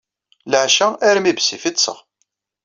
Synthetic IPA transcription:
ləʕʃææɾmibsifit̪sə̰ʁ

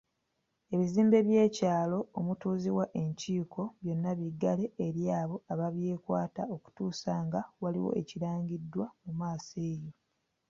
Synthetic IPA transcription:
e̞βiziːmbe̞βje̞ːcaːlo̞ːmutuːziwaʔe̞ɲciːkʰo̞βjo̞nːaβiɡːale̞ːɾjaːβo̞aβaβje̞ːkwaːtao̞ku̥tuːsaŋɡawalḭwo̞̰e̞ciɾaːɲɟidːwamumaːse̞ːjo̞

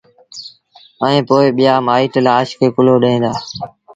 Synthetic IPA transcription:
əẽːpoːɪɓɪjaːmaːiːʈlaːʃkʰeːkʊloːɗəẽːnd̪aː

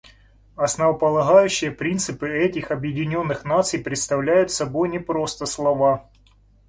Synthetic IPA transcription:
ɐsnəvəpəlˠɐɣajʉɕːɪjəpɾʲint̪sɨpɨɛtʲɪxɐbjɪdʲɪnʲo̞nːɨxnat̪sɨjpɾʲɪt̪st̪ɐvlʲæjʊt̪sɐbo̞jnʲɪpɾo̞st̪əslˠɐva

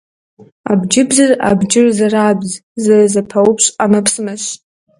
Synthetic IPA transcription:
a̰bd͡ʒɪbzara̰bd͡ʒɪrzaraːbzzarazapʰawupʰʂʷamapʰsmaʃʷ

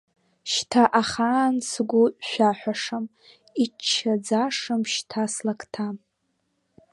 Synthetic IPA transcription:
ʃtʰaʔaχaːnsɡʷʊʔʷʃʷᶣaħʷᶣaʂam | it͡ʃʰːad͡zaʂamʃtʰaslakʰtʰam

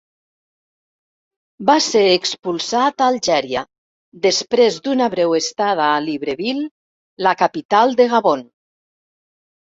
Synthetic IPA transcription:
baseɾekspulˠsat̪aːlˠʒɛɾja | d̪espɾezd̪unaβɾɛwest̪að̞aːliβɾeβilː | akapit̪alˠd̪eɣaβon

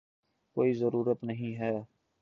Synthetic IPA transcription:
koːizəɾuːɾət̪nəɦĩɦɛː

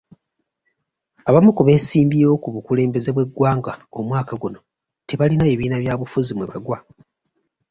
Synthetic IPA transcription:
aβamukuβe̞ːsiːmbiɾo̞kuβukule̞ːmbe̞ze̞βwe̞ɡːwaːŋɡao̞mwaːkaɡuno̞ | te̞βalinaeβiːnaβjaːβufuzimweβaɡwa

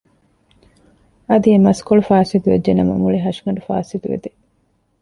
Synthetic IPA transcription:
ɐd̪iemɐskoɭufaːsit̪uʋḛːenɐmɐ̰muɭiɦɐʃiŋɐɳʈufa̰ːsit̪uʋḛd̪e

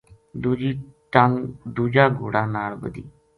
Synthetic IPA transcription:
d̪uːd͡ʒiːʈəŋd̪uːd͡ʒaːɡoːɽaːnaːlbə̰d̪ḭː

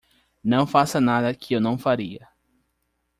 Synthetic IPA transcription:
nɐ̃w̃fasɐnad̪ɐkɪewnɐ̃w̃faɾiɐ

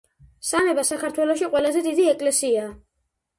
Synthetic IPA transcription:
samɛbasakʰaɾt̪ʰwɛlˠɔʃiqʼwɛlazɛd̪id̪iɛkʼlɛsia

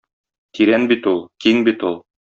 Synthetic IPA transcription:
t̪iɾænbit̪ulˠkiŋbit̪ulˠ

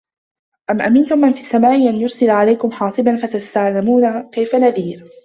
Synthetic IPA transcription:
ʔamʔamɪnt̪ʊmʔanfisːamaːʔɪʔanjʊɾsɪlʕalajkʊmħɑːsˤɨbanfat̪ast̪aʕlamuːnakajfanaðiːɾ

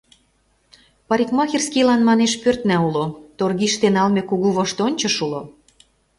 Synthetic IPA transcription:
pɑɾʲikmɑxʲirskilɑnmɑneʃpørt̪næulot̪orɣiʃt̪enɑlmekuɣuβɤʃt̪onʲt͡ɕɤ̆ʃulo

